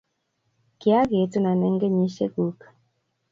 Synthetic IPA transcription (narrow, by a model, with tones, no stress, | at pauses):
ki˨˦a˦ɡe˨tu˦na˨nɛ˦ŋɡe˦ɲi˦ʃḛ˦ɡu˨˦k